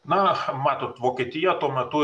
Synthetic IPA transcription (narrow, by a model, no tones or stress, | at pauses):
nɐmɑːt̪oːt̪ʋoːkʲiːt̪ʲɪjɛt̪uɔmʲɛt̪ʊ